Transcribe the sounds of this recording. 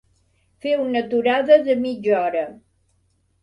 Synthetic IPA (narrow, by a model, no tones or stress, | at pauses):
fewunət̪uɾaðəðəmid͡ʒɔɾə